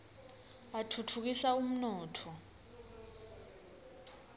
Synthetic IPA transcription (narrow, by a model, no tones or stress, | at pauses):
atʰutʰuk̬isaum̩nɔːtʰɔ